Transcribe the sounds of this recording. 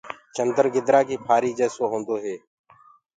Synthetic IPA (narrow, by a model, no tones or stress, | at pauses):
t͡ʃənd̪əɾɡɪd̪ɾaːkiːpʰaːɾiːd͡ʒɛːsoːɦõːnd̪oːɦeː